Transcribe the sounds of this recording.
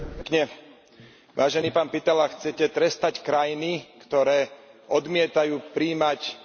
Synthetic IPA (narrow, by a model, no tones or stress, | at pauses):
kɲɛ | ʋaːʒɛniːpaːnpit̪ɛlaxt͡sɛcɛt̪ɾɛst̪ackɾajinikt̪ɔɾɛːɔd̪mɪɛt̪ajuːpɾiːmac